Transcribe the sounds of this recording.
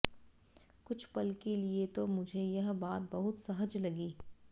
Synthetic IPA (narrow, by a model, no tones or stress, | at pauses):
kʊt͡ʃʰpɐlkeliet̪omʊd͡ʒʱejɐɦbaːt̪̚bɐɦʊt̪sɐɦəd͡ʒlɐɡiː